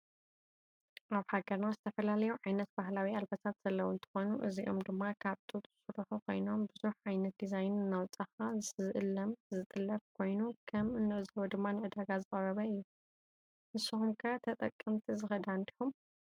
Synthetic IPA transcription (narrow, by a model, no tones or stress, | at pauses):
ʔaβħaɡɐɾnazɨt̪ʰɐfɐlalɐjuʕajnɐt̪̚b̥ahlawialbɐt̪ʰat̪z̥ɐlːɐwuɨnt̪ʰɨ̥xonuʔɨziʔo̞md̪ɨmːakʰaβt̪ʼut̪ʼzɨsɨɾħukʰo̞̰jno̞mbɨzuħʕajnɐt̪̚d̪izajnɨnːawt͡sʼaxazɨsɨzɨʔɨlːɐmzɨt̪ʼɨlːɐfkʰo̞jnukʰɐmɨnːɨʔzɐwɐd̪ɨmːanɨʕɨd̪aɡazɨχʼɐɾɐβɐɨjːu | ʔɨsuxumkʰɨat̪ʰɐt̪ʼɐkʼːɐmt̪ʰizɨxɐd̪and̪iħum